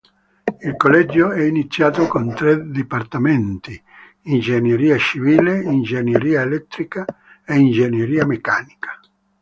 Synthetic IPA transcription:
ilkolɛd͡ʒːoɛinit̪sːjaːt̪okont̪ɾed̪ipart̪ament̪iː | nd͡ʒenjeɾiːat͡ʃiviːleind͡ʒenjeɾiːaelɛt̪ːɾika | eind͡ʒenjeɾiːamekaːnikḁ

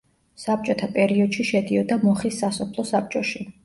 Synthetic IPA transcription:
sap̚t͡ʃʼɔt̪ʰapʼɛɾiɔd̪̥ʃiʃɛd̪iɔd̪amɔχisːasɔpʰlˠɔsap̚t͡ʃʼɔʃi

